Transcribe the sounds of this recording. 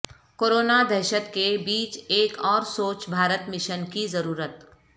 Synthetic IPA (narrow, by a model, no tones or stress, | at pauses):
koːɾoːnad̪ʱɛːʃət̪kebiːt͡ʃeːkɔːɾsoːt͡ʃbʱaːɾət̪mɪʃənkizɐɾuːɾət̪